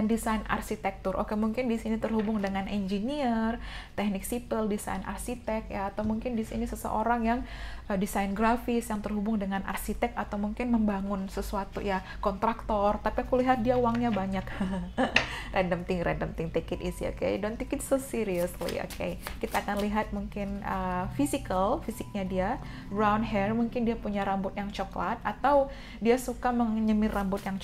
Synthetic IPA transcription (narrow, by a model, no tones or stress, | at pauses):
andisaina̰rsit̪ɛk̚t̪ʊrʔo̰kemuŋkɪndisinit̪ərhubʊŋdəŋanʔɛnd͡ʒiniərt̪ɛk̚nɪksip̪əldisa̰jnʔa̰rsit̪ɛk̚jaːt̪awmuŋkɪndisḭnisəsə̰ʔoɾaŋjaŋʔədisajnɡɾafɪsjaŋt̪ərhubʊŋdəŋanʔa̰rsit̪ɛk̚at̪awmuŋkɪnməmbaŋʊnsəsuat̪ṵja | kɔnt̪ɾak̚t̪ɔrt̪apiakuliɦat̪̚diauwaŋɲabaɲak | rʔɛndəmt̪ɪŋɾʔɛ̰ndəmt̪ɪŋt̪ikɪt̪isḭo̰kḛdɔnt̪ikɪt̪̚sosiɾiuslḭo̰kḛjkit̪aːkanliɦat̪̚muŋkɪnəfisikəlfisɪk̚ɲadia | bɾawndɦɛrmuŋkɪndiapuɲaɾambʊt̪̚jaŋt͡ʃɔklat̪̚at̪aw | diasukaməŋɲəmɪrːambʊt̪̚jaŋ